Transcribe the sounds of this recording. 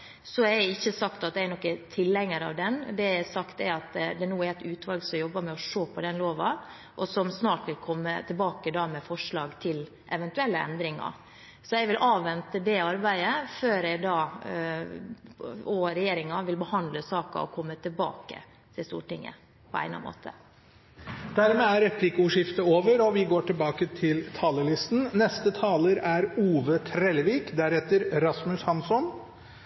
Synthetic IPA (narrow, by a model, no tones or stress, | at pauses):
sɔæɪçːəsɑkt̪ɑt̪̚d̪ɛæɾnɔkːət̪ʰɪlːɛŋːəɾɑ̰ʋd̪ɛnd̪ɛɛsɑkt̪ɛɾɑt̪d̪ɛnuːæɾɛt̪ʉːt̪ʰʋɑlɡsɔmjɔbːəɾmɛɔʂoːpʰɔd̪ɛnloːʋɑ | ʔɔsɔmsnɑːʈʋɪlkʰɔmːə̰t̪ʰɪlbɑːkəd̪ɑmɛfɔʂɭɑːɡt̪ʰɪl | ʔɛʋɛnt̪ʉɛlːəɛ̰nd̪ɾɪŋɑ̰ | sɔɛɡʋɪlʔɑːʋːɛnt̪əd̪ɛɑɾbæɪəføːɾɛɪd̪ɑː | ɔɾɛjeːɾɪŋɑʋɪlbəhɑnd̪ləsɑːkɑ̰ɔ̰kʰɔmːət̪ʰɪlbɑ̰ːkə̰ | t̪ʰɪlst̪ṵːʈɪŋːə̰ | pʰɔæ̰ɪnɑ̰mʔo̰ːt̪ʰə̰ | d̪̥æɾmeːæɾɛpʰlɪkʊʂɪft̪əoːʋəɾɔʋɪɡoːʈɪlbɑːkət̪ʰɪlt̪ʰɑːləɭɪst̪n̩nɛst̪ət̪ʰɑːləɾæɾuːʋət̪ʰɾɛlʋiːkd̪æɾɛt̪əɾɾɑsmʉshɑnsɔn